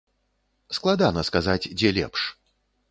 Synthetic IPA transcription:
sklˠad̪anɐskazat͡sʲd͡zʲɛlʲɛ̰pʂ

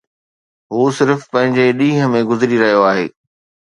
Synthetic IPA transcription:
ɦuːsɪɾfpɐ̃ɦɪ̃ɲd͡ʑeɗĩːɦəmẽɡʊzɾiɾɐɦijoaːɦḛː

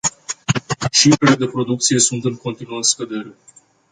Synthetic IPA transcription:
t͡ʃifɾe̞le̞d̪e̞pɾo̞d̪uk̚t̪sije̞sunt̪ɨŋko̞nt̪inuəskəd̪e̞ɾe̞

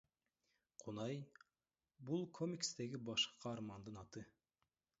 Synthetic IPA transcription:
qʰunɑj | bulˠkʰomʲikst̪e̞ɡibɑʃqːɑːɾmɑnd̪ɯnɑt̪ɯ

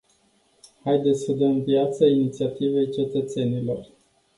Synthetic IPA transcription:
hajd̪et̪sʲsəd̪əmvjat̪səinit̪siat̪ive̞jt͡ʃe̞t̪ət̪se̞nilo̞r

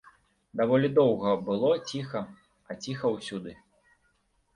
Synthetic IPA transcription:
d̪avɔlʲid̪ɔwɣɐbɨlˠɔt͡sʲixɐ | ɐt͡sʲixɐwsʲud̪ɨ

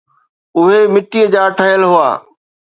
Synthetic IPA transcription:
ʊɦemɪʈiəd͡ʑaːʈʰəɦjəlɦʊa̰ː

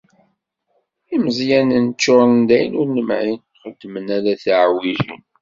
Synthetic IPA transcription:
iməzjænnt͡ʃːʊɾˤnd̪æjnʊɾnəmʕin | χəd̪ːmənæɾæθʕwiʝḭn

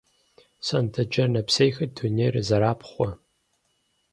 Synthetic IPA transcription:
sɐntʰɐd͡ʒɐnɐpsɐjxɐtʰuneːrɨzɐɾaːpχʷɔ

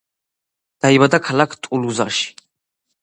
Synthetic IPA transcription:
d̪̥aibad̪akʰalakʰt̪ʼuluza̰ʃi̥

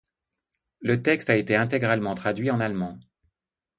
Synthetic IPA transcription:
lət̪ɛkst̪aet̪eɛ̃t̪eɡʁalmɑ̃t̪χad̪ɥiɑ̃nalmɑ̃

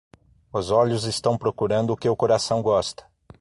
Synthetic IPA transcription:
ʊzɔʎʊzɪst̪ɐ̃w̃pɾokuɾɐ̃nd̪ʊːkɪʊkoɾasɐ̃w̃ɡɔst̪ɐ̥

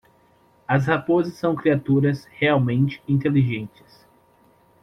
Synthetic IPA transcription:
ɐshapozɪsːɐ̃w̃kɾiat̪uɾɐsheawmẽnt͡ʃɪ̥ĩnt̪eliʒẽnt͡ʃɪ̥s

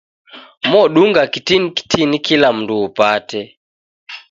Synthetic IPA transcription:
mɔɗuŋɡakitiniki̥tʰinikilam̩nduːpatɛ

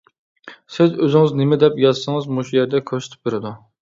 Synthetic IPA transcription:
sɪzøzɪŋɨznɪmɛd̪ɛpjɑzsɨŋɨzmuʃujɛɾd̪ɛkʲʰøɾsɪ̥t̪ʰɪ̥p̚beɾɪd̪u

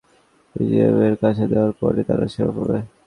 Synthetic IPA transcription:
id͡ʑiebeɾkat͡ɕʰed̪eoaɾpɔɾet̪aɾa̰ʃeɾa̰kabe

